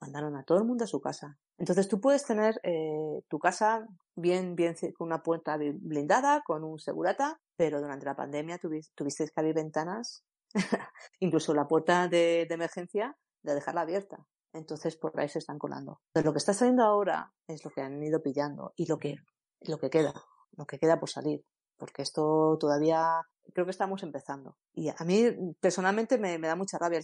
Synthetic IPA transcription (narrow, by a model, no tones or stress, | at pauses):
mand̪aɾo̞nat̪oðlmũnd̪oasukasa | ent̪o̞nθe̞st̪upwe̞ðe̞st̪e̞ne̞ɾet̪ukasa | bje̞mbje̞nθeko̞nunapwe̞ɾt̪aβblind̪aðako̞nunse̞̰ɣṵɾat̪a | pe̞ɾo̞ðuɾant̪e̞lapa̰nd̪e̞mjat̪uβt̪uβist̪eskaβiɾβe̞nt̪anas | iŋkluso̞lapwe̞ɾt̪aðe̞d̪eme̞ɾxẽ̞n̟θja | d̪eðe̞xaɾlaːβje̞ɾt̪a | e̞nt̪o̞nθe̞spoɾʔa̰ise̞st̪aŋko̞̰lʔa̰nd̪o̞̰elo̞kest̪asalje̞nd̪oao̞ɾa̰ | e̞zlo̞keaniðo̞piʎand̪o̞̰ilo̞ke̞ | lo̞ke̞ke̞ða̰ | lo̞keke̞ðapoɾsa̰liɾ | po̞ɾke̞est̪o̞t̪o̞ðaβia | kɾe̞okest̪aamo̞se̞mpe̞θand̪o̞̰ | iamipe̞ɾso̞nalmẽnt̪e̞me̞me̞ðamut͡ʃarʔaβja